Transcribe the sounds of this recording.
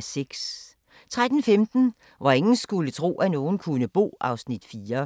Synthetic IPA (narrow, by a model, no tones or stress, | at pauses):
seɡ̥s | t͡sʰʁad̥n̩femd̥n̩ | ʋɑ̈e̝ŋn̩sɡ̥ulət͡sʰʁo̝̰ːʔæno̝ːn̩kʰunəb̥o̝̰ːʔɑ̈ʊsnid̥fiːɐ